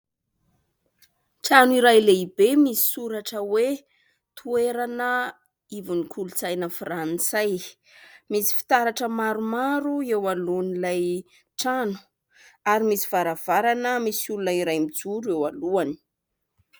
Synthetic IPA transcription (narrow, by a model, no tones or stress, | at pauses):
ʈ͡ʂanuiɾajleibemisi̥suɾaʈ͡ʂəwe | t̪ʰueɾanə | ivunikʰulut͡sajnəfrant͡saj | misi̥fi̥t̪aɾaʈ͡ʂəmaɾumaɾuewalunilaj | ʈ͡ʂanu̥ | aɾimisi̥v̥aɾav̥aɾanəmisulunəiɾajmid͡zuɾuewaluani̥